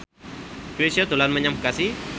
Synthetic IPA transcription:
kwesiot̪ulanməɲamkasi

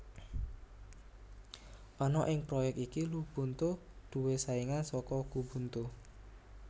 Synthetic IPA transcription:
anɔʔɪŋpɾɔjɛk̚t̪ikilub̥ṳnt̪ud̪̥ṳwesaiŋansɔkɔɡ̥ubṳnt̪u

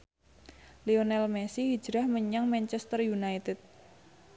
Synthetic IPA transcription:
lionɛlmɛsihi̥d͡ʒ̥ɾahməɲaŋmɛnt͡ʃɛst̪ərjunait̪ɪt̪̚

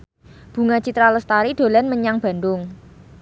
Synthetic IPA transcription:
b̥ṳŋat͡ʃit̪ɾaləst̪aɾid̪̥o̤lanməɲaŋb̥a̤nd̪ʊŋ

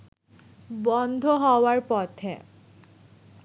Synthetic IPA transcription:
bɔnd̪ʱoɦɔwaɾpɔt̪ʰe

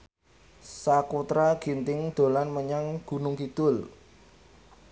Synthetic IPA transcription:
sakut̪ɾaɡ̥i̤nt̪ɪŋd̪̥o̤lanməɲaŋɡ̥ṳnʊŋkid̪̥ʊl

